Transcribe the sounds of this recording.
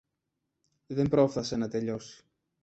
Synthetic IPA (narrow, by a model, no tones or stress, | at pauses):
ðe̞mbɾo̞fθɐsenɐt̪e̞ʎo̞si̥